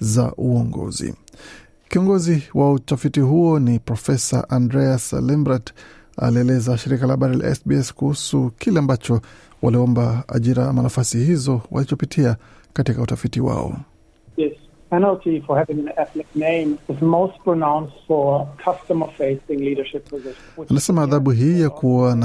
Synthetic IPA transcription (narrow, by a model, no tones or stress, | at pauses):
za̰ʔuɔŋɡɔ̰zḭ | kiɔŋɡɔziwautafitiɦuɔnipɾɔfɛsa̰ʔandɾɛaslɛmbɾat | a̰liɛlɛzaʃiɾikalahaɓaɾila̰ɛ̰sbiɛskuhusukʰilɛambat͡ʃɔ | waliɔmbaa̰ʄiɾaamanafasihizɔwa̰lit͡ʃɔpitʰia | katikautafitiwa̰ɔ̰ | ðɪs | pʰɛnl̩ˠtifə˞hævɪ̃ŋɨ̃nɛθnɪk̚nẽɪ̃mɪzmoʊst̚pʰɹ̥ənãʊ̃nstfə˞kʰʌstəmə˞feɪsɪ̃ŋliɾə˞ʃɪpʰɹ̥ɨzɛʃ | anasɛmaːðabuɦiːjakuan